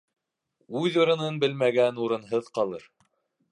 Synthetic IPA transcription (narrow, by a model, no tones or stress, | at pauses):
ʉðuɾɤ̆nɤnbɘlmæɡænuɾɤ̆nɦɤðqɑlˠɤ̰ɾ